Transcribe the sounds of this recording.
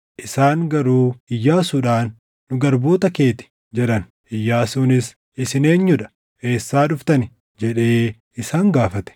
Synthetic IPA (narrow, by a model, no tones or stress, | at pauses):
ʔɪsaːŋɡɐɾuːɪjːaːsuːᶑaːnː | ʊɡɐɾboːt̪ɐke̞ːt̪ɪ̥ | d͡ʒɛᶑɐn | ʔɪjːaːsuːnɪs | ɪsɪne̞ːɲːʊᶑɐ̥ | e̞ːsːaːᶑʊft̪ɐnɪ | d͡ʒɛᶑe̞ː | ɪsaːŋɡaːfɐt̪ɛ̥